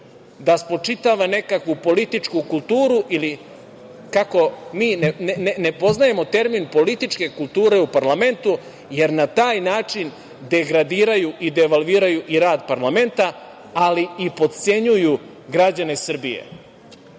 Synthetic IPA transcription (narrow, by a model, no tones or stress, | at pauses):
d̪aspo̞t͡ʂit̪aʋane̞kakʋupo̞lit̪it͡ʂkukulˠt̪uːɾuʔili | kako̞miːnnnnepo̞znaje̞mo̞t̪e̞ɾminpo̞lit̪it͡ʂke̞kulˠt̪uːɾe̞upaɾlame̞nt̪u | je̞ɾnat̪aːjnaːt͡ʂin | d̪e̞ɡɾad̪iːɾajuʔid̪eʋalʋiːɾajuʔiɾaːd̪paɾlˠame̞nt̪a | aliipo̞d̪t̪se̞ɲuju | ɡɾad͡ʑane̞sr̩bijḛ